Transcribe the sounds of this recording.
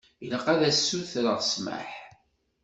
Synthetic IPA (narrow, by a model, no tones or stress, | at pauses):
jələqːæðæsːuθɾəʁsmə̰ħ